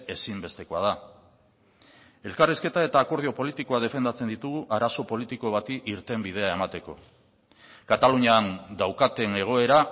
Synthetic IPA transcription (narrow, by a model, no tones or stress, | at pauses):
e̞simbe̞st̪e̞ko̞að̞a | e̞lkariske̞t̪ae̞t̪aːko̞ɾð̞io̞po̞lit̪iko̞að̞e̞fe̞nd̪at͡se̞nd̪it̪uɣuʔaɾaso̞po̞lit̪iko̞βat̪iʔiɾt̪e̞mbið̞e̞ae̞mat̪e̞ko̞̰ | kat̪aluɲand̪awkat̪e̞ne̞ɣ̞o̞e̞ɾa